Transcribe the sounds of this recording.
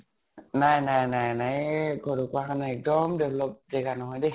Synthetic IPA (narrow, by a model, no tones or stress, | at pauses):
najnajnajnajɡɔdɔkwakʰanaɛk̚dɔmdewlɔp̚zɛɡanɔɦɔjdɛ